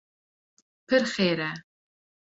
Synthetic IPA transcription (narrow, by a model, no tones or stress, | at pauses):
pʰɨrχeːɾɐ